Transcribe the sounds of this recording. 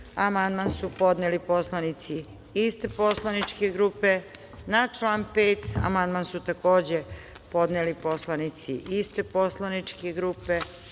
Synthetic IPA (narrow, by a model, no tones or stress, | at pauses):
amand̪mansupo̞d̪nelipo̞slˠanit̪si | ist̪eposlˠanit͡ʃkeɡɾuːpe | nat͡ʃlˠanpeːt̪a̰mand̪mansut̪ako̞ːd͡ʑe | po̞d̪nelipo̞slˠanit̪siʔist̪epo̞slˠanit͡ʃkeɡɾuːpe